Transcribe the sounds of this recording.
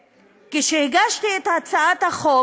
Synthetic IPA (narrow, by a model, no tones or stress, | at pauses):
keʃeheɡaʃtiet̪hat͡saat̪haχo